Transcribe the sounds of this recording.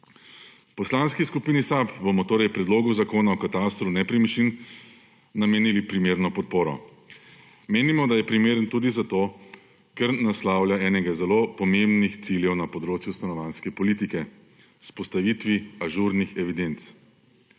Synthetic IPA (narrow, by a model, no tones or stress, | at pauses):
pɔslanskiskupiːnisapbomɔt̪oːɾɛjpɾɛd̪loːɡuzakoːnaɔkat̪ast̪ɾunɛpɾimit͡ʃin | nameːnilipɾimeːɾnɔpɔt̪̚poːɾɔ̰ | meːnimɔd̪ajɛpɾimeːɾənt̪uːd̪izat̪oː | kɛɾnaslaːwlʲjaɛːnɛɡazɛloːpɔmembnixt̪siljɛwnapɔd̪ɾoːt͡ʃjust̪anɔʋanskɛpɔliːt̪ikɛ | spɔst̪aʋiːt̪ʋiaʒuɾnixɛʋid̪ent̪s